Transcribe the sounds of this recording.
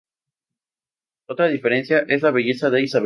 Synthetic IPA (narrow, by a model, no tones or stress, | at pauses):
ot̪ɾað̞ife̞ɾe̞nsjaʔe̞zlaβeʝe̞saðe̞isaβ